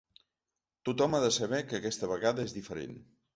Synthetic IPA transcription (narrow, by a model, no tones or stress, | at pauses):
t̪ut̪ɔmaðəsəβɛkəːkɛst̪əβəɣaðəezðifəɾḛn